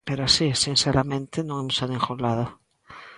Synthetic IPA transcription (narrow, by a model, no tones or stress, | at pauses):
peɾoasisinseɾamẽnt̪enõŋemusaðẽŋxolaðo